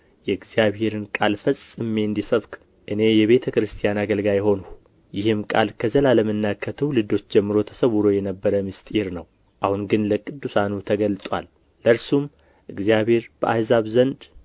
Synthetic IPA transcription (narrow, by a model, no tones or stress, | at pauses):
jɛɨɡzijaβhe̞ɾɨnkʼalfəsʼɨmːe̞ɨnd̪isəβk | ʔɨne̞jɛβe̞t̪ʰəkɾɨst̪ʰijanaɡəlɡajho̞nuh | jɪhɨmkʼa̰lkʰəzəlaləmɨnːakʰːət̪ʰəwlɨd̪o̞t͡ʃːd͡ʒɛmːɨɾo̞t̪ʰə̥səβuɾo̞jɛnəbːəɾəmɨst̪ʼiɾnəw | ʔahunɡɨnləkʼɨd̪ːusanut̪ʰəɡəlt̪ʼwa̰lː | əɾsum | ʔɨɡzijaβhe̞ɾb̥əʔahzaβzənd̪